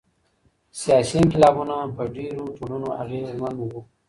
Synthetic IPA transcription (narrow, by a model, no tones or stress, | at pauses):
sijɑsikɪlɑbunapəɖeɾoʈ̪oɽunoʔa̰ɣezmanwo